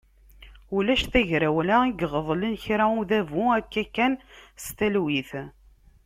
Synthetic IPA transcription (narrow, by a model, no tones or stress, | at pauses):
ulæʃθæʝɾæwlæiɡʁəðˤlənçɾauðævuækːækːænst̪ælwiθ